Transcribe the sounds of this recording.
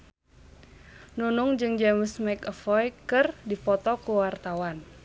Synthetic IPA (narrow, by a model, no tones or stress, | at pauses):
nunuŋd͡ʒɨŋd͡ʒəməsmajkəfɔjkɨrdipɔt̪ɔkuwart̪awan